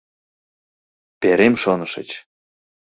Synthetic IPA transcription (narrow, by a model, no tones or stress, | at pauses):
peɾemʃonɤ̆ʃə̰̆t͡ɕ